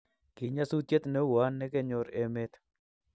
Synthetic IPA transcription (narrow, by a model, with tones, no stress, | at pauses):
kɪ˨ɲa˦su˦t̪je˦t̪nɛ˦wa˦nːɛ˦ke˦ɲo˨ɾe˨me˦t̪